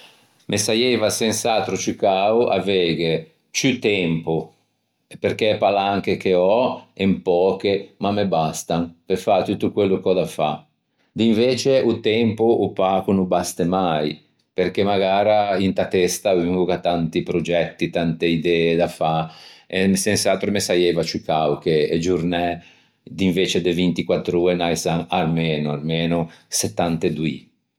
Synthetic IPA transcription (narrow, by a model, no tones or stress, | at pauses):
mʔesajɛːvasɛnsat̪ɾut͡ʃykaːwʔa̰vɛːɡe | t͡ʃyt̪ɛmpu | epeɾk̟epalaŋk̟ekeɔempɔːk̟emamebast̪aŋpefat̪ut̪ːukwelːukɔd̪afa̰ | d̪iɱveːt͡ʃeʔut̪ɛmpuʔːpakunubast̪emaj | peɾk̟emaɡaːɾaint̪at̪ɛst̪aviŋɡukat̪ːant̪ipɾod͡ʒɛt̪ːit̪ant̪eid̪ɛːed̪afaensɛnsalt̪ɾomesajɛvat͡ʃuikawk̟eed͡ʒuɾnɛ | d̪iɱveːt͡ʃed̪evint̪ikwat̪ːɾuːenajsaŋarmeːnuarmeːnuset̪ːant̪ed̪ui